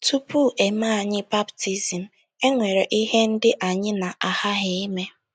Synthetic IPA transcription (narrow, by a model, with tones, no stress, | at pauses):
tu˦pu˦˨ʔe˨ma˦a˨ɲɪ˦ba˦bti˦zi˨m̩˨ | e˦ŋʷe˨ɾe˨ʔi˦ɦe˦n̩˦dɪ˦ʔa˨ɲɪ˦na˨ʔa˨ha˦ɦɪ˨i˦me˦